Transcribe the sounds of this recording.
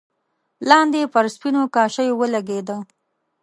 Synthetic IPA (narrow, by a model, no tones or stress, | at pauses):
lɑnd̪epəɾspinokɑʃəjowəlaɡed̪ə